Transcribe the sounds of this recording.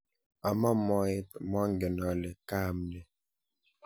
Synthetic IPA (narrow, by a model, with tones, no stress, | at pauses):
a˨ma˦mɔ˦e˦tmɔ˦ŋ˦ɡɛ˨nɔ˨˦lɛ˨ka˦˨mnɛ˨